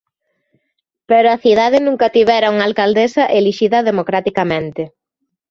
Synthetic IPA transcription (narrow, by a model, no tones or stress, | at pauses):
peɾoaθiðaðɪnũŋkɐt̪iβɛɾɐuŋalkald̪esɐʔeliʃiðɐðemokɾat̪ikamẽnt̪ɪ